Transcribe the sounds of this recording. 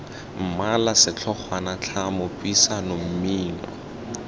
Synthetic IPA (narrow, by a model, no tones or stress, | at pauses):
m̩malasɪt͡ɬʰɔχʰwanat͡ɬʰamʊpʼwisanom̩miːnɔ̰